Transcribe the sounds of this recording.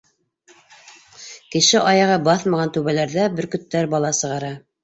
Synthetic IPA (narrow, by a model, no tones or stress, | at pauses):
kɘ̆ʃɘʔɑjɑʁɑbɑθmɑʁɑnt̪ʉβælæɾðæbɘɾkɵ̆t̪ːæɾbɑlˠɑsɤ̆ʁɑɾɑ